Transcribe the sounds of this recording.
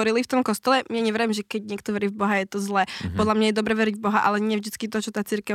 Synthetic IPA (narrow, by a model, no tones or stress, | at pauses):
ɔɾilift̪ɔmkɔst̪ɔlɛmaɲɛʋɾaɛmʒɛkɛɟɲɪɛkt̪ɔʋɛɾivbɔɦajɛt̪ɔzlɛːpɔd̪lamɲajɛd̪ɔbɾɛʋɛɾiɟvbɔɦaʔa̰lɛɲɪɛvʒd̪it͡skit̪ɔt͡ʃɔt̪aːt͡siɾkɛ